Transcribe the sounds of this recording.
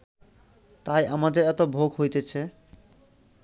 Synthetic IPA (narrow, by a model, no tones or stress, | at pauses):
t̪ajʔamad̪eɾɛt̪obʱoɡɦojt̪et͡ɕʰe